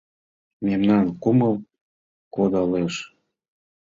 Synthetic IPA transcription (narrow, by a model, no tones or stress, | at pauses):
memnɑnkuməl | kod̪ɑleʃ